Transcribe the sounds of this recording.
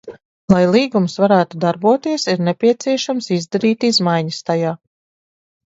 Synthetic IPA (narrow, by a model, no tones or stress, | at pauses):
lˠajlˠiːɡumsvaɾæːt̪ud̪aɾbuɔt̪iɛsiɾnepʲiɛt̪siɛʃamsizd̪aɾiːt̪izmajɲəst̪ajaː